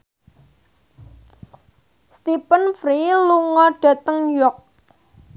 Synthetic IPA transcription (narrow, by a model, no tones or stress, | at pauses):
st̪ipənfɾiluŋɔɖ̥a̤t̪əŋjɔk̚